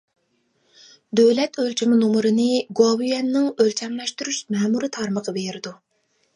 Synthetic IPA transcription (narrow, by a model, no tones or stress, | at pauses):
d̪øwlɛt̪ʰølt͡ʃʰimɪnomʊɾɨnɨɡowijɛnːɨŋølt͡ʃʰɛŋlˠɑʃt̪uɾuʃmɛːmuɾɨt̪ʰɑɾməqəbeɾɪd̪u